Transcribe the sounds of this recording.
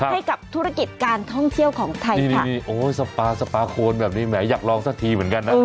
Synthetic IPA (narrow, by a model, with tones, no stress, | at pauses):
kʰa˦˥ha˥˩jka˨˩p̚t̪ʰu˦˥ɾa˧˩ki˨˩t̪̚kaː˧nt̪ʰɔ˥˩ŋt̪ʰi˥˩əwkʰɔː˩˦ŋt̪ʰa˧niː˥˩nʰ˦˥˩niː˥˩ʔoː˧˥sa˧paː˧sa˧paː˧kʰoː˧nbɛː˨˩p̚niː˦˥˩mɛː˩˦jaː˨˩k̚lɔː˧ŋsaː˧˩t̪ʰiː˧mɯ˩˦nka˧nːa˦